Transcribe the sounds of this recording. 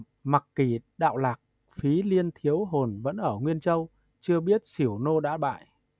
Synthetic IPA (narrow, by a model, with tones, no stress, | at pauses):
ma˨˩kki˧˩ɗa̰ː˧˨wlaː˨˩k̚ | fi˨˦li˧ənt̪ʰi˨˦ə˦wɦo˨˩nvə̰˧˥nʔəː˧˩ŋwi˧ənt͡ɕə˧w | t͡ɕɨ˧əɓi˦˥ət̚si˧˩əwno˧ɗa̰ː˧˥ɓa̰ː˧˨j